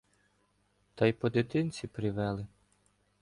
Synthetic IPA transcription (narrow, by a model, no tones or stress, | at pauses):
t̪ɑjpɔd̪ɪt̪ɪnʲt͡sʲipɾɪʋɛlˠɪ